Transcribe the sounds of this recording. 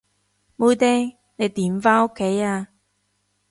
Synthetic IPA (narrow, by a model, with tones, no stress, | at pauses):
mo˧jt̪ɛː˥ŋ | ne˨˧jt̪iː˨˥mfaː˥no˥kʰːe˨˥jaː˧